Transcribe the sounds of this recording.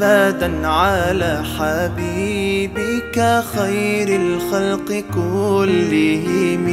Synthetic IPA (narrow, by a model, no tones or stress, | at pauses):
aːd̪anʕalaːħabiːbɪkaxajɾalxalqɨkʊlːɪɦɪm